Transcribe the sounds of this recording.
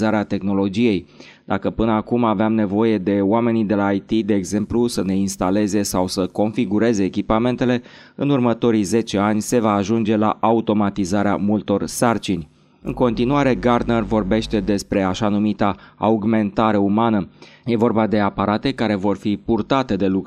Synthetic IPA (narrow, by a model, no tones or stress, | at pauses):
zaɾeat̪e̞xno̞lo̞d͡ʒije̞j | d̪̥akəpɨnəakumaveamne̞vo̞je̞d̪e̞oame̞nid̪e̞laːjt̪id̪e̞ːɡze̞mplusəne̞inst̪ale̞ze̞sawsəko̞nfiɡuɾe̞ze̞ːkʲipame̞nt̪e̞le̞ | ɨnurmət̪o̞ɾijze̞t͡ʃe̞anʲse̞vaːʒund͡ʒe̞la̰ʔaut̪o̞mat̪izaɾea̰mult̪o̞rsart͡ʃinʲ | ɨ̰ŋko̞n̪t̪inuaɾe̞ɡard̪nervo̞rbe̞ʃt̪e̞d̪e̞spɾe̞aʃanumit̪aa̰uɡme̞nt̪aɾe̞umanəje̞vo̞rbad̪e̞apaɾat̪e̞kaɾe̞vo̞rfipurt̪at̪e̞d̪e̞luk